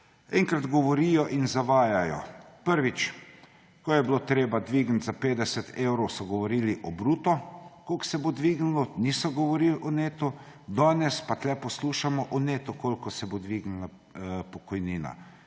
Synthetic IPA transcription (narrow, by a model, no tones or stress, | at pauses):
ɛ̰ŋkɾad̪ɡɔʋɔɾijɔʔinzaʋaːjajɔ̰pəɾʋit͡ʃ | kɔjɛbloːt̪ɾeːbad̪ʋiɡn̩t̪ʲzapeːd̪ɛsɛt̪ʰewɾɔwsɔɡɔʋɔɾiːliʔɔbɾuːt̪ɔkolksɛbod̪ʋiɡnulɔnisɔɡɔʋɔɾilʔɔneːt̪u | d̪aːnɛspat̪lɛpɔsluːʃamɔʔɔneːt̪ukolʲkɔsɛbod̪ʋiɡnula | pɔkɔjniːna̰